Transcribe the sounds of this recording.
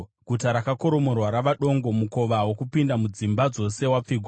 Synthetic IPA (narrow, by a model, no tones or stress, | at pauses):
ɡʱutaɾakako̞ɾo̞mo̞rwaɾaʋaɗo̞ŋɡo̞muko̞ʋawo̞kupindamud͡zimbad͡zo̞sewap͡fiɡʱw